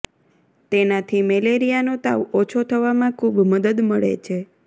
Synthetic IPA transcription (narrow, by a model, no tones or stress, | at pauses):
t̪enat̪ʰimeleɾijanot̪a̰ʋot͡ʃʰot̪ʰəʋamãkʰubməd̪əd̪məɭḛt͡ʃʰe